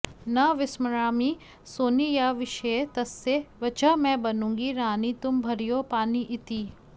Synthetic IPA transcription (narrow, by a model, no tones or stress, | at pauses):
nɐʋɪsməɾaːmiː | soːnijaʋɪʃet̪ɐsːeʋɐt͡ʃɐmɛ̃ːbɐnũːŋɡiɾaːnit̪ʊmbʱɐɾijoːpaːniʔɪt̪i